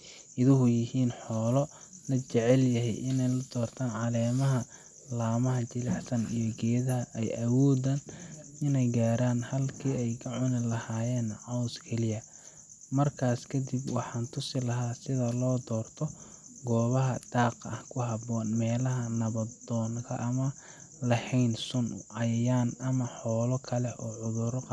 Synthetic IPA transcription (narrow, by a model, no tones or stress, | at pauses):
ʔɪðʊɦʊjɪhiːnħɔːlɔ | lɐt͡ʃɛʕɛljɐɦɛ̰jʔɪnɛjlɐd̪ɔːrt̪ʰaːnʕɑlɛːmɐɦɐ | laːmɐɦɐt͡ʃɪlɑħsɐnijɔɡɛːðɐɦɐʔɛjʔɐwɔːd̪anɪnɛjɡaːɾaːnhɐlkʰiːɛjkʰɐʕʊnɪlɐhaːjɛːnʕɑwskʰɛlɪjɐ | mɐrkʰaːskʰɐd̪ibwɑħɑːnt̪ʰʊsɪlɐɦaːsɪðɐlɔːd̪ɔːrt̪ʰɔ | ɡɔːβɐɦɐd̪̥ɑːqɐ̰hkʰʊɦɑbɔːnmɛːlɐɦɐnɐβɐd̪ɔːŋkʰɐʔɐmɐ | lɐhɛjnsʊnʊ̰ʕɑjɐjaːnʔɐmɐħɔːlɔkʰɐlɛɔːʕʊðʊɾq